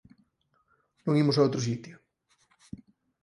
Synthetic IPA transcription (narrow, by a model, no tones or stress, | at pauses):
nõŋimos̬aowt̪ɾos̬it̪jo